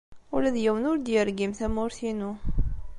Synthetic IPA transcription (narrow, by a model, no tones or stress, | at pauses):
ulæðjæwənʊɾd̪jəɾɡimθæmʊɾθinu